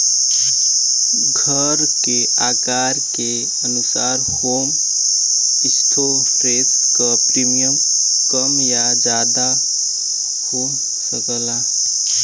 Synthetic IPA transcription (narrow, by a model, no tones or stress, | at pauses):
ɡʱə | ɾke | aːkaːɾke | ənʊsaːɾhoːm | ɪsʈ̪ʰo | pɾeːskɔpɾimijəmkəmjad͡ʒaːd̪a | hoːm | səkəːla